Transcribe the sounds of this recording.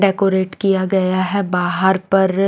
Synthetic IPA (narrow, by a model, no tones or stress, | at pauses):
ɖɛːkoːɾeːʈkijaɡɐjaɦɛbaːɦəɾpɐɾ